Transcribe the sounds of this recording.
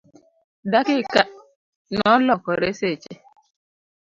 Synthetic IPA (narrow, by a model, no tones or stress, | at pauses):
dakɪka | nɔlɔkɔɾeset͡ʃe